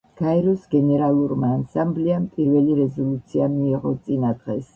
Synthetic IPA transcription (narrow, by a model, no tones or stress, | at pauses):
ɡ̥aɛɾɔsɡɛnɛɾalˠuɾmaːnsambliampʼiɾvɛliɾɛzɔlut̪sʰiamiːʁɔt̪sʼinad̪ʁɛs